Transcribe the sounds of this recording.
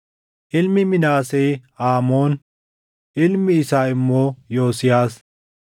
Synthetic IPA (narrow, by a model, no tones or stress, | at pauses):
ʔɪlmɪmɪnaːseːaːmo̞ːn | ʔɪlmɪːsaːɪmːoːjo̞ːsɪjaːs